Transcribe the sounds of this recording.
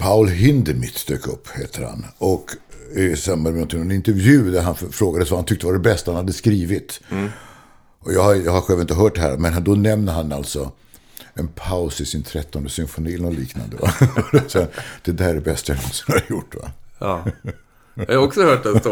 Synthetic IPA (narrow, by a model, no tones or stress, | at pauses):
pʰaʊlɦɪnd̪ɛmɪt̪d̪øːkɵpːheːt̪ʰəɾha̰nɔkɪsamːad̪mɛnɔnt̪ʰɪŋnɔnɪnt̪ɛɾvjʉ̟ːd̪æɾɦanfɾoːɡad̪əsvahant̪ʰʏkt̪əvaɖɛbɛst̪ahanhad̪ːəskɾiːvɪt̪ | ɔjɑːhajɑːhaɾɧɛlvɪnt̪əɦœːʈ̚ɖɛhæ̰ːɾmɛnhand̪ɔnɛmnəɦanːalt̪sɔ | ɛnpʰaʊsɪsɪnt̪ʰɾɛt̪ːɔnd̪əsʏnfʊniːlnɔliːkna̰nd̪əva̰sɛd̪̥ɛd̪æɖɛbɛst̪ajanɔnsɔmaɾjʊʈːva̰ | haɾɔksɔhœːʈɛ